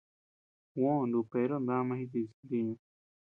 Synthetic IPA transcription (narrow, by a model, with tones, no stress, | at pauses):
wõ˦˨nd̪u˨pe˨˦ɾo˦˧nd̪ã˦˧mã˧hĩ˧t̪i˧zi˧d̪i˧ɲũ˧